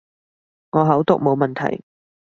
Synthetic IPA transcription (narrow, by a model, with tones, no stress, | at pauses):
ŋɔː˨˧ɦɐ˨˥wt̪ʊ˧k̚mo˨˧wmɐ˨nt̪ʰɐ̰˨˩j